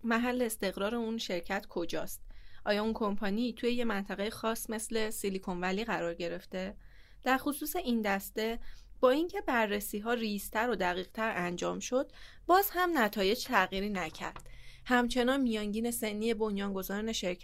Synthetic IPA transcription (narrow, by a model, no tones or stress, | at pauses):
mæɦælːe̞ːst̪e̞ɣɾɒːɾeunʃe̞ɾcʰæt̪ʰkʰo̞d͡ʒɒːst̪̚ʔɒːjɒːunkʰo̞mpʰɒniːt̪ʰuje̞je̞mænt̪ʰæɣejexɒːsme̞sle̞silikʰo̞nvæliːɣæɾɒːɾɟe̞ɾe̞ft̪e̞ | d̪̥æɾxosuːse̞ʔind̪æst̪e̞b̥ɒːiŋcʰe̞bæɾːesiːɦɒːrist̪ʰæɾo̞d̪æɣiːɣ̥t̪ʰæɾʔænd͡ʒɒːmʃo̞d̪̥̚ | bɒːzhæmnæt̪ʰɒːje̞d͡ʒt̪ʰæɣiːɾiːnæcʰæ̰ɾd̪̥hæmt͡ʃʰe̞nɒːnmijɒːnɟiːne̞se̞nːije̞bo̞njɒːnɡo̞zɒːɾne̞ʃeɾcʰ